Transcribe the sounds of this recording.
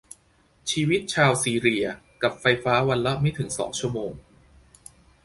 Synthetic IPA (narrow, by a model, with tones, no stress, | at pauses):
t͡ɕʰiː˧wi˦˥t̪̚t͡ɕʰaː˧wsiː˧ɾi˧ɐ | ka˨˩p̚fa˧jfaː˦˥wa˧nla˦˥ma˦˥jt̪ʰɯ˩˦ŋsɔ̰ː˩˦ŋt͡ɕʰu˥əmoː˧ŋ